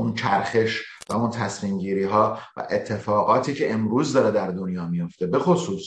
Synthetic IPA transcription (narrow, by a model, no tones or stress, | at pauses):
unt͡ʃʰæɾxe̞ʃ | væunt̪ʰæsmiːmɟiːɾiːɦɒːvæ̰ʔe̞t̪ʰːe̞fɒːɣɒːt̪ʰiːcʰe̞ʔemɾuːzd̪ɒːɾe̞d̪æɾd̪onjɒːmijo̞ft̪e̞be̞xosuːs